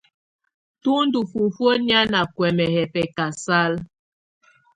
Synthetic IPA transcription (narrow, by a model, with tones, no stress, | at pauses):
tu˦n˦du˨fu˨fwo˦nja˦na˨kwɛ˨mɛ˨hɛ˨pɛ˨ka˨sa˦l